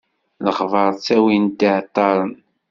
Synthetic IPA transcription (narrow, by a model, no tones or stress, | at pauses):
ləχvɑɾˤt͡sːæwind̪iʕt̪ˤːɑɾˤən